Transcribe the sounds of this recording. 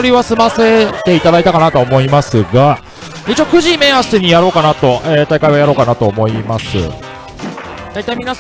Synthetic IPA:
oɾʲiβasɨmase̞t̪e̞it̪ad̪ait̪akanat̪oːmo̞imasɨɡa | it͡ɕioːkɯ̟ʑime̞aseɲ̟ijaɾo̞ːkanat̪o̞ʔet̪aikaiβajaɾo̞ːkanat̪o̞ːmo̞imasɨ̰ | d̪̥ait̪aimʲinas

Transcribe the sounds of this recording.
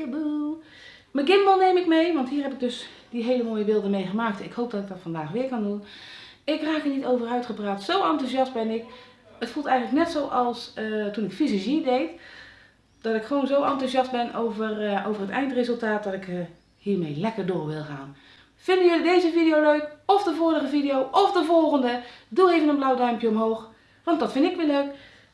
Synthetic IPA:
b | məɡɪmbəlˠneːmɪkmejʋɑntɦiːɹɦɛpɪk̚døsdiɦeːləmoːjəʋɪːlˠdəmejχəmaːk̚tɪkhowp̚dɔtɪk̚dɔtfɑndaːχʋɪːɹkɑndun | ɪkraːkənitowvərœɥtχəpraːtsowɑntuzɑst̚bɛnɪk | ətfulˠtɛjɣənləknɛtsowʔɑlˠsətunɪkfizəzidejt | d̥ɑtɪkχʋownzowʔɑntuzɑst̚bɛnowvərowvərɦətɛ̰jntrezɵlˠtaːt̚dɔtɪk | hiːɹmejlɛkərdʊːɹʋɪlˠχa̰ːn | fɪndəjɵlidejzəvidijowløɥkɔfdəvʊːɹəχəvidijowʔɔfdəvɔlˠχəndədulˠejvənənblawdœɥmpjəɔmɦowχ | ʋɑntdɑtfɪndɪkʋiːløɥk

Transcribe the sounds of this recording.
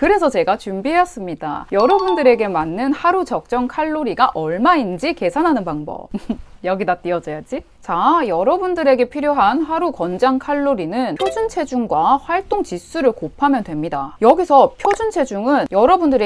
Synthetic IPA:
kɯɾe̞sʰʌt͡ɕe̞ɡat͡ɕumbiɦe̞jʌs͈ɯmɲida̰jʌɾʌbundɯɾe̞ɡe̞manːɯnhaɾut͡ɕʌk̚t͡ɕ͈ʌŋkʰaɭːoɾiɡaʔʌɭmaind͡ʑike̞sʰanɦanɯnpaŋbʌ̰pjʌɡidat͈iʌd͡ʑʌjad͡ʑi | t͡ɕajʌɾʌbundɯɾe̞ɡe̞pʰiɾjoɦanɦaɾukʌnd͡ʑaŋkʰaɭːoɾinɯnʰjod͡ʑunt͡ɕʰe̞d͡ʑuŋɡwaɸwaɭt͈oŋt͡ɕis͈uɾɯɭkopʰamjʌndwe̞mɲidajʌɡisʰʌpʰjod͡ʑunt͡ɕʰe̞d͡ʑuŋɯnjʌɾʌbundɯɾe

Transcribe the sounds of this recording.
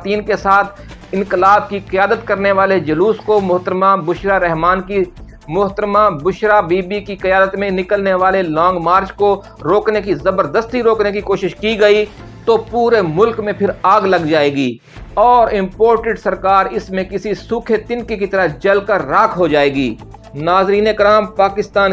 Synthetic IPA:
t̪iːnkesaːt̪ʰ | ɪ̃nkɪlaːb̚kiqɪjaːd̪ət̪kɐɾneʋaːled͡ʒɐluːskomʊɦt̪əɾmabʊʃɾaɾɛɦmaːnki | mʊɦt̪əɾmabʊʃɾabiːbikiqɐjaːd̪ət̪mẽnɪkəlneʋaːlelɔ̃ːŋɡmaːɾt͡ʃko | ɾoːknekizɐbəɾd̪əst̪iɾoːknekikoːʃɪʃkiɡɐi | t̪opuːɾemʊlkmẽpʰɪɾaːɡlɐɡd͡ʒaːeːɡiː | ɔːɾɪ̃mpoːɾʈeɖsɐɾkaːɾɪsmẽkɪsisuːkʰet̪ɪnkikit̪ɐɾad͡ʒɐlkɐɾːaːkʰɦod͡ʒaːeːɡiː | naːzɾiːnekɾaːmpaːkɪst̪aːn

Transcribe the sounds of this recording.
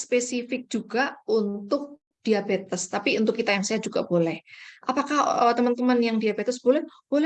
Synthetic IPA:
spesifɪk̚d͡ʒ̥uɡaunt̪ʊk̚ | d̥iabet̪əst̪apiunt̪ʊkːit̪ajaŋsajad͡ʒuɡ̥ab̥olɛhʔapakahət̪əmant̪əmanjaŋdiabet̪əsb̥olɛh | b̥olɛ

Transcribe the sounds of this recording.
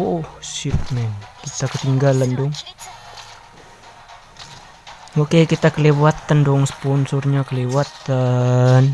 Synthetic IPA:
oʔohsit̪̚mɛnkit̪akət̪iŋɡalandɔŋ | okekit̪akəlewat̪əndɔŋsə̥pɔnsurɲakəlewat̪ən

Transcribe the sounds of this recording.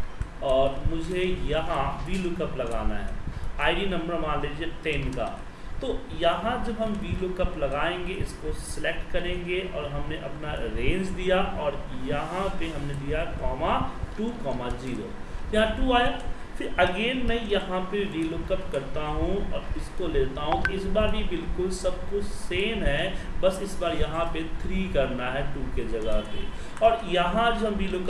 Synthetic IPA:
ɔːɾmʊd͡ʒʱejɐɦãʋiːlokɐplɐɡa̰ːnaɦɛːaːɪɖinɐ̃mbəɾmãːleːd͡ʒeʈɛnka̰ː | t̪oːjɐɦãd͡ʒɐbɦɐmʋiːlokɐplɐɡaːẽːŋɡeɪskosɪlek̚ʈkɐɾẽːŋɡeʔɔːɾɦɐmneʔɐpnaɾẽːnd͡ʒd̪ijaʔɔːɾjɐɦãpeɦɐmned̪ijaɦɛkɔːmaʈuːkɔːmad͡ʒiːɾo̰ːjɐɦãʈuːaːja | fɪɾɐɡeːnmɛ̃jɐɦãpeɾiːlʊkəpkɐɾt̪aɦũɔ̰ɪskoleːt̪aɦũɪsbaːɾbʱibɪlkʊlsɐb̚kʊt͡ʃseːnɦɛːbɐsɪsbaːɾjɐɦãpet̪ʰɾiːkɐɾnaɦɛʈuːked͡ʒɐɡape | ɔːɾjɐɦãd͡ʒoɦɐmɾiːlʊk

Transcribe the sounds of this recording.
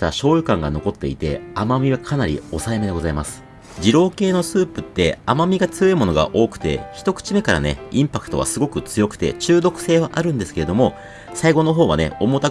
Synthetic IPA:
t̪aɕo̞ːjɯ̟kãŋɡano̞ko̞t̪ːe̞̰ḭt̪e̞̰amamʲiβakʰanaɾʲio̞saeme̞d̪e̞ɡo̞zaimasɨ̥ | d͡ʑiɾo̞ːke̞ːno̞sɨːpɯ̟t̪ːe̞amamʲiɡat͡sɨjeimo̞no̞ɡa̰ʔo̞ːkɯ̟̥t̪e̞̰çi̥t̪o̞kɯ̟̥t͡ɕime̞kaɾa̰ne̞̰ĩmpakɯ̥t̪o̞βa̰sɨɡo̞kɯ̟t͡sɨjo̞kɯ̟̥t̪e̞̰t͡ɕɨːd̪o̞kɯ̟̥se̞ːβaʔaɾɯ̟̃nd̪e̞sɨ̥ke̞ɾe̞d̪o̞mo̞ | saiɡo̞no̞ɦo̞ːβa̰ne̞̰o̞mot̪a

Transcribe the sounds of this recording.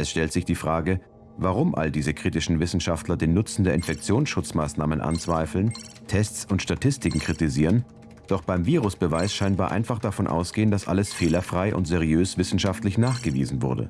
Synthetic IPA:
ʔɛsʃtɛltz̥ɪçd̥iːfʁ̥aːɡə | vaʁʊmʔa̰ldiːzəkʁ̥iːtɪʃn̩vɪsn̩ʃaftlɐdeːnːʊt͡sn̩deɐɪnfɛk̚t͡sjoːnsʃʊt͡smaːsnaːmənʔa̰nt͡sv̥aɪfl̩n | tʰɛstt͡sʊntʃtatʰɪstɪkŋ̩kʁ̥itiziːʁən | d̥ɔχb̥aɪmviːʁʊsb̥əvaɪsʃaɪnbaːɐʔa̰ɪnfaχd̥afɔnʔa̰ʊsɡ̥eːəndasʔa̰ləsfeːlɐfʁ̥aɪʔʊ̰ntz̥eʁiøːsv̥ɪsn̩ʃaftlɪçnaːχɡ̥əvḭːzn̩vʊɐdə̰

